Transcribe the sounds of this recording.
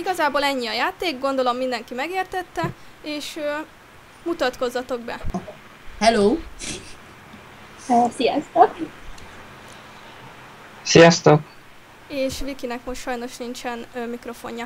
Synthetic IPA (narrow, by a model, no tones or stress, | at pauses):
iɡɒzaːboːlɛɲːiɒjaːt̪eːɡɡo̞nd̪o̞lo̞mːind̪ɛŋkimɛɡeːrt̪ɛt̪ːɛ | eːʃø | mut̪ɒt̪ko̞zːɒt̪o̞ɡ̚bɛ | hɛloː | sijɒst̪ok | sijɒst̪o̞k | eːʃʋikinɛkmoʃtʃɒjno̞ʃnint͡ʃɛnmikro̞fo̞̰ɲːɒ